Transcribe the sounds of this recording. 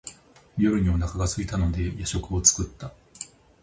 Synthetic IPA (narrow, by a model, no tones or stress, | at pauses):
ɾʲjoɾɯ̟ɲ̟ionakaɡasɨit̪ano̞d̪e̞jaɕo̞kɯ̟o̞t͡sɨ̥kɯ̟t̪ːa